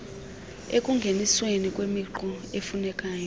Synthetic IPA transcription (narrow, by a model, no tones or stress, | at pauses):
ekʼuŋɡʱeniswenikʼwemiǃɔefunɛkʼaːjɔ